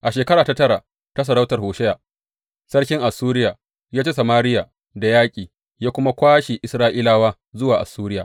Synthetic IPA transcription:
ʔa˨ʃeː˨kɐ˦ɾaː˨ta˦tɐ˦ɽa˨ | ta˦s̬ɐ˨ɾa˦wtɐ˨rhoː˨ʃɛ˦jaː˨ | sɐ˦rkʲɪ˦ŋʔa˨suː˦ɾɪ˦jaː˨ | jaː˦t͡ʃe˦sɐ˨maː˦ɾɪ˦ja˨ | da˨jaː˦kʲʼiː˨ | jaː˦kʷʊ˦ma˦kʷaː˦ʃi˨ʔɪ˨sɾaː˦ʔiː˦laː˦waː˦ | zʊ˦waː˨ʔa̰˨suː˦ɾɪ˦ja̰ː˨

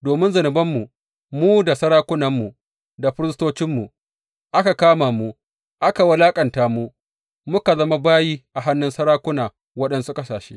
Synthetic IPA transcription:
doː˨mɪ˦nzɐ˨nɪ˨bɐ˦mːu˨ | muː˦da˨sɐ˦ɾaː˦kʷʊ˦nɐ˨mːu˨ | da˨ɸɪ˦ɾɪ˦stoː˦t͡ʃɪ˦mːu˨ | ʔa˦ka˨kaː˦maː˨mu˦ | ʔa˦ka˨wɐ˦laː˦kʼɐ˨ntaː˨mu˦ | mʊ˦ka˨zɐ˦ma˦baː˦jiː˦ʔa˨ɦa˦nːʊ˦nsɐ˦ɾaː˦kʷʊ˦naː˨ | wɐ˦ɗɐ˦nsu˦kɐ˦saː˨ʃḛ˦

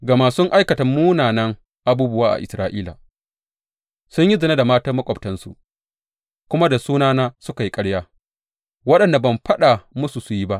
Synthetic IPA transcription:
ɡa˨maː˨sʊ˦ŋʔa˦jkɐ˨tɐ˨muː˦naː˨nɐ˦ŋ | ʔa˨buː˦bʊ˦waː˦ʔa̰˨ʔɪ̰˨sɾa̰ː˦ʔiː˦la̰ː˨ | sʊ˦ɲji˦zɐ˨na˦da˨maː˦tɐ˦mɐ˦kʷʼɔ˨ptɐ˦nsṵ˨ | kʷʊ˦ma˦da˨suː˦naː˦naː˦sʊ˦ka˨ji˦kʼɐ˦ɽjaː˦ | wɐ˦ɗɐ˨nda˨bɐ˨mɸɐ˦ɗa˨mʊ˦su˨su˨ji˦ba˦ʔ

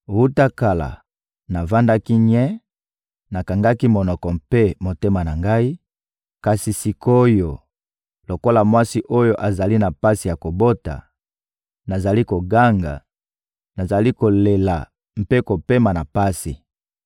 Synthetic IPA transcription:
wu˦ta˦ka˨la̰˨ | na˨va˦nda˦ki˦ɲɛ˦ | na˨ka˨ŋɡa˦ki˦mo˨nɔ˨kɔ˨mpe˦mo˨te˦ma˨na˨ŋɡa˦i˦ | ka˨si˨si˨ko˦jo˨ | lo˨ko˦la˨mwa˦si˦ʔo˦jo˦ʔa˨za˨li˦na˨pa˦si˨ja˨ko˨bo˦ta̰˨ | na˨za˨li˦ko˨ɡa˦ŋɡa̰˨ | na˨za˨li˦ko˨le˨la̰˨ | m̩˦pe˦ko˨pe˦ma˨na˨pa˦sḭ˨

